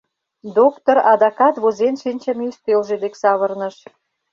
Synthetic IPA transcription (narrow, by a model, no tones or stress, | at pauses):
d̪okt̪oɾɑd̪ɑkɑt̪βozenʃinʲt͡ɕɑmeyst̪elʒed̪eksɑβə̆rnəʃ